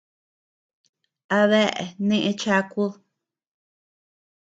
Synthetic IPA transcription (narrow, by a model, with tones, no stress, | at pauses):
a˧βe˦ʔḛ˨nẽ˦˧ʔẽ˧t͡ʃa˧ku˦ð